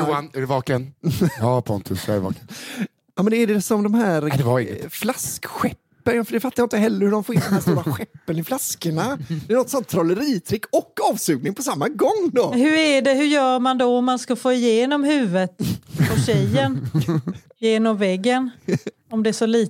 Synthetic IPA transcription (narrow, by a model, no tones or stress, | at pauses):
jʊanæɾɛvɑːkənɑpʰɔ̰nt̪ʰɵsjɔ̰vɑ̰ːkən | jɑːmɛnd̪ɛːɖɛsɔmd̪ɔmhæːɾd̪ɛaɛ̰flaskɧɛpːənjfɖɛfat̪ːajaɪnt̪əɦɛlːəɾhɵɖɔmfoɾɪnnɛnasuːɾaɧɛpːənɪflaskəɳad̪ɛnɔt̪sɔnt̪ʰːɾɔlːəɾiːt̪ʰɾɪkːɔkːɑːvsʉːɡnɪŋpʰɔsamːaɡɔŋːd̪ɔhɵɾæɖɛɦɵjœːɾmand̪ɔɔmːanskafoːɪjeːnɔmɦʉ̟ːvət̪ɔɕɛjːən | jeːnɔmvɛɡːən | ɔmd̪ɛæʂɔliː